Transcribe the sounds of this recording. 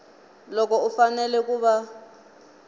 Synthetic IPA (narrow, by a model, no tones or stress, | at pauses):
lɔkɔufanɛlɛkuβa